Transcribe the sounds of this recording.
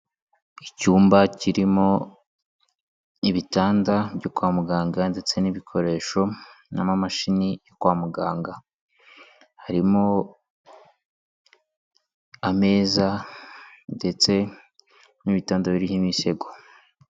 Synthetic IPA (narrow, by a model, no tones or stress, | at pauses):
icuːmbaciɾimo̞ | iβitaːndabɟokwaːmuɡaːŋɡande̞t͡se̞niβikʰo̞ɾe̞ːʃo̞ | na̰mamaʃinijokwaːmuɡaːŋɡa | haɾimo | ame̞ːza | nde̞t͡se̞ | niβitaːndaβiɾihimise̞ɡo